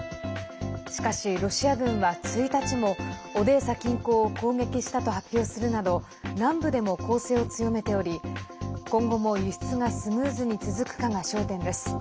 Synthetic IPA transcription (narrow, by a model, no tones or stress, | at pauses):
ɕi̥kaɕiɾo̞ɕiaɡɯ̟̃ɰ̃βat͡sɨit̪at͡ɕimo̞ːd̪e̞ːsakʲĩŋko̞ːko̞ːɡe̞kʲiɕi̥t̪at̪o̞hapʲjo̞ːsɨɾɯ̟nad̪o̞ | nãmbɯ̟d̪e̞mo̞ko̞ːse̞ːo̞t͡sɨjo̞me̞t̪e̞o̞ɾʲi | kõ̞ŋɡo̞mo̞jɯç̥t͡sɨŋasɨmɯ̟ːzɨɲ̟it͡sɨzɨkɯ̟̥kaŋaɕo̞ːt̪ẽ̞nd̪e̞sɨ̥